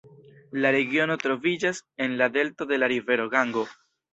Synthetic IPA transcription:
laɾe̞ɡio̞no̞tɾo̞vid͡ʒase̞nlade̞lto̞d̪e̞laɾive̞ɾo̞ɡaŋɡo̞

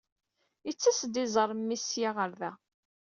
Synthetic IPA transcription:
it͡sːæsd̪ɪzˤəɾˤmːisjaʁəɾðæ

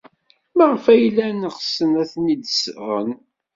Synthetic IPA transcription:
məʁfæjlːænəʁsənæθnid̪sʁə̰n

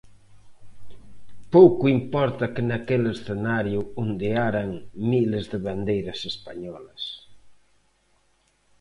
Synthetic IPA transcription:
powkʊimpɔɾt̪ɐkɪnakelesθenaɾjʊund̪eaɾaŋmilezðeβand̪ejɾɐsespaɲɔlɐs

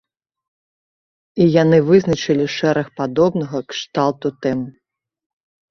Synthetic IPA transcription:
ijanɨvɨznɐt͡ʂɨlʲiʂɛɾɐxpad̪ɔbnɐɣɐkʂt̪alˠt̪ut̪ɛm

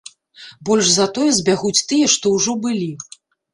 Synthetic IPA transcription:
bɔlʲʐzat̪ɔjɛzʲbʲaɣut͡sʲt̪ɨjɛʂt̪ɔwʐɔbɨlʲi

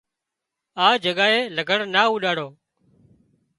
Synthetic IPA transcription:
aːd͡ʒəɠaːɦeːləɡʱəɽnaːuːɗaːɽoː

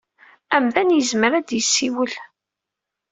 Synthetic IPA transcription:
æmðænjəzməɾæd̪jəsːiwəl

